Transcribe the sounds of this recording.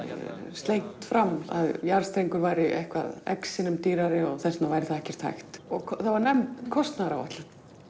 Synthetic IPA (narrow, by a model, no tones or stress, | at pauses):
st̪ejŋ̥t̪fɾamːa̰ðjaɾ̥st̪ɾejŋkʏɾvajɾɪʔɛ̰hkva̰ðɛ̰ksɪnʏmt̪iːɾaɾɪɔɣθɛsnavajɾɪθaðɛhcɛɾ̥t̪ʰa̰jxt̪ɔɣkʰɔθavaɾnɛmt̪kʰɔst̪naɾava̰t̪lʏ